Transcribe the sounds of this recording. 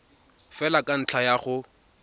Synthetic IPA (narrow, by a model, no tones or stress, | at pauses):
fɛlakʼan̩t͡ɬʰajaχʊ